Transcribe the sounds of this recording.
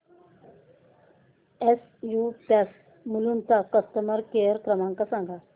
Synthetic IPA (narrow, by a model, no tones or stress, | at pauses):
es | jupas | mulunt̪akəst̪əməɾkejəɾkɾəmãŋkasãŋɡa